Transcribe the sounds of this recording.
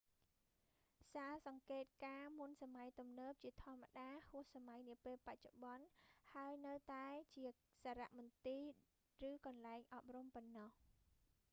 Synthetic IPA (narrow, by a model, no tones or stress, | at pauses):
saːsɑŋkeːt̪̚kaːmunsamajt̪umnəːp̚t͡ɕiət̪ʰŏəmːaɗaːhʊəhsamajniəpeːlpac̚t͡ɕoɓɑnhaəjnɨwt̪aɛt͡ɕiə | saːɾa̰ʔmʊ̆nt̪iː | rɨːkɑnlaɛŋʔɑp̚rumpɔnːɑh